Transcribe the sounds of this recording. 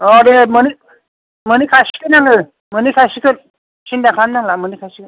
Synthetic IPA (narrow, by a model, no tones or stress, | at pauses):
ɔdemɯni | mɯnikʰasi̥kʰɯnaŋɯ | mɯnikʰasikʰɯn | sindakʰanːaŋlamɯnikʰasikɯn